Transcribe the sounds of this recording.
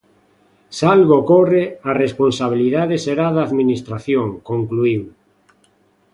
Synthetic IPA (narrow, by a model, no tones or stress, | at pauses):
salɣokorearesponsaβ̞iliðaðeseɾaðaːðminist̪ɾaθjoŋkoŋkluiw